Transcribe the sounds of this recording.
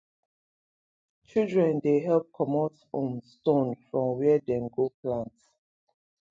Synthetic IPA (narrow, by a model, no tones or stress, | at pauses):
t͡ʃildɹɛ̃ndeɦɛlp̚kʰɔmɔsõ̰mstõnfɹɔ̃mwɛdɛ̃nɡoplãnt